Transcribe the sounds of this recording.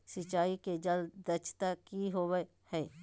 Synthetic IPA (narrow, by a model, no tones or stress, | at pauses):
sɪt͡ʃaːiked͡ʒɐld̪d̪ɐt͡ʃʰt̪akiɦow | hɛː